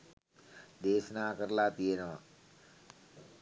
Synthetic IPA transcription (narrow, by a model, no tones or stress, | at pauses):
d̪eːsnaːkəɾlaːt̪ienɐʋã̰